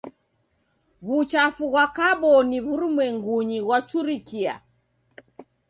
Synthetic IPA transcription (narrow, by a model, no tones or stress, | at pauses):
βut͡ʃafuɣwakaɓɔniβuɾumwɛŋɡuɲiɣwat͡ʃuɾikia̰